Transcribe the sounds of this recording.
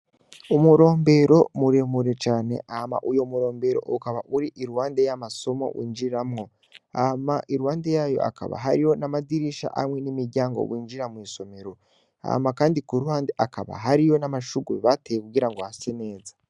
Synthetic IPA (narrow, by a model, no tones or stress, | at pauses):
umuɾo̞ːmbe̞ɾo̞muɾemuɾe̞t͡ʃaːne̞̰ʔahama̰ʔujomuɾo̞ːmbe̞ɾo̞̰ʔukaβa̰ʔuɾiʔiɾuhaːnde̞jamaso̞mo̞̰wḭːnd͡ʒiɾamŋo̞ | amaʔiɾuhaːnde̞jaːjo̞̰ʔa̰ka̰βa̰ɦa̰ɾijo̞namadiɾiʃa̰ʔa̰mŋe̞nimiɾɟaːŋɡo̞̰βwiːnd͡ʒiɾamwiːso̞me̞ɾo̞ | a̰makaːndikuɾuhaːnde̞ʔakaβa̰ɦaɾijo̞namaʃuɡuβatejekuɡiɾaŋɡohasene̞ːzḁ